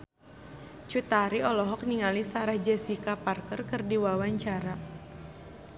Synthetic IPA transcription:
t͡ʃut̪aɾiɔlɔɦɔk̚niŋalisaɾahd͡ʒɛsikaparkərkɨrdiwawaɲt͡ʃaɾa

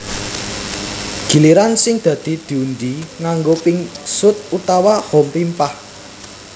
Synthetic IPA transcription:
ɡ̥i̤liɾansɪŋd̪̥ä̤d̪̥i̤d̪̥i̤und͡ʒiŋaŋɡopɪŋsʊt̪̚ut̪awahɔmpimpah

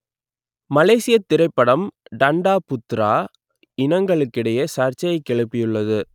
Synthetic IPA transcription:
mɐleːsɪjɐt̪ːɪɾɐɪpːɐɽɐmɖɐɳɖaːpʊt̪ːɾaː | ɪnɐŋɡɐɭɯkːɪɽɐjɐsaːɾt͡ʃɐjɐɪkːɛɭɯpːɪjɯɭːɐðɯ

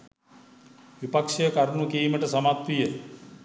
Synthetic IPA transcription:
ʋipakʂijəkaɾnukiːməʈəsɐmat̪ʋijə

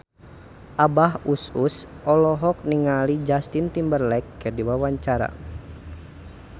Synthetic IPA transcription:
ʔabahusus | ɔlɔɦɔk̚niŋalid͡ʒast̪int̪imbərlɛkːərdiwawaɲt͡ʃaɾa̰

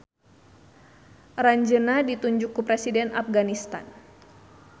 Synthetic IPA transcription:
raɲd͡ʒənadit̪uɲd͡ʒʊkːupɾɛsidɛnafɡanist̪a̰n

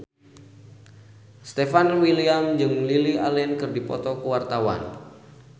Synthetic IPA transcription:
st̪ɛfanwiliamd͡ʒɨŋlilia̰lɛnkɨrdipɔ̰t̪ɔkəwart̪awa̰n

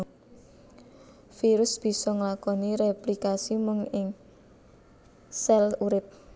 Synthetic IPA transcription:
fiɾʊsb̥i̤sɔŋəlakɔniɾeplikasimʊŋɪŋ | sɛluɾɪp̪̚

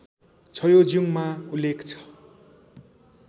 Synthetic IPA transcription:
t͡sʰʌjod͡zjuŋmaulːekt͡sʰʌ̥

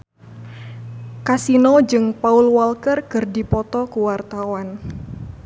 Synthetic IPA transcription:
kasinod͡ʒɨŋpaulwalkərkɨrdipɔt̪ɔkuwart̪awan

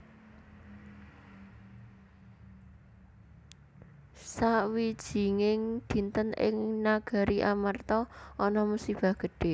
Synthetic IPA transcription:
sawid̥ʒ̥i̤ŋɪŋd̪̥i̤nt̪ənɪ̰ŋnaɡ̥a̤ɾiʔamart̪ɔʔɔnɔmusib̥a̤hɡ̥ə̤ɖ̥e̤

